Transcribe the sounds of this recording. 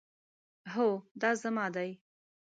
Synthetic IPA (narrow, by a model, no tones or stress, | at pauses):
ɦod̪ɑzamɑd̪aj